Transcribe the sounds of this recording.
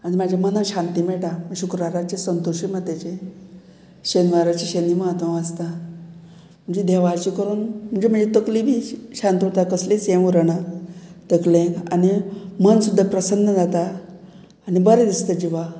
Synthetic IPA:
añimad͡ʑʱamənaɕant̪imeɭʈaməɕukɾaɾat͡ɕesənt̪oɕiməd̪et͡ɕe | ɕenʋaɾat͡ɕiɕeniməɦət̪ʋaʋad͡zt̪a | mm̤əɳd͡zed̪eʋaɾt͡ɕikəɾuːnm̤əɳd͡zem̤əɳd͡zet̪əklibʱiɕant̪iot̪akəslesẽʋuɾəɽat̪əklẽkanimənsud̪ʱːapɾəsənːəd͡zat̪aː | nibəɾed̪ist̪əd͡ʑiʋa

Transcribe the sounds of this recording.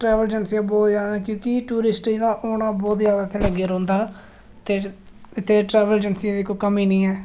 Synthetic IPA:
ʈɾɛːʋəld͡ʒənsiãːbɔːt̪jaːd̪aːkjõːkɪʈuːɾɪsʈiːd̪aːʔoːnaːbɔːt̪zjaːd̪aːt̪ʰeləɡeːɾɔ̃ːnd̪aː | t̪eː | ɪt̪ʰːeːʈɾɛːʋəld͡ʒənsiãːd̪iːkokəmiːnĩːɛː

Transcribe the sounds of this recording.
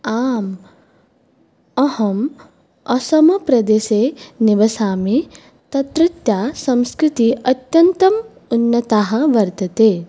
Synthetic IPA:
aːm | ɐhɐm | ɐsɐmɐpɾɐd̪eːseːnɪʋɐsaːmi | t̪ɐt̪ɾɪt̪jaːsɐ̃mskɾɪt̪iʔɐt̪jɐnt̪ɐm | unːɐt̪aːɦɐ̆ʋɐɾt̪ɐt̪eː

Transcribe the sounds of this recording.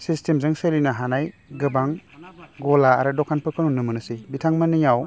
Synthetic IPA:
sistʰemzɯŋselinaɦanajɡɯbaŋɡɔlaːɾɯdɔkʰanpʰɯkʰɯnunɯmɯnɯsibitʰaŋmɐnijaw

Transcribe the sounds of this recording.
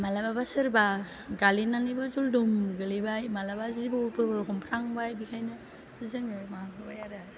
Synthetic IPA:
malababasɯɾba | ɡalinanɯjbazɔldumɡɯlijbajmalabazizibɔpɯɾkɔmpʰɾaŋbajbikʰajnɯ | ɯzɯŋɯmahapʰɯɾbajaɾa

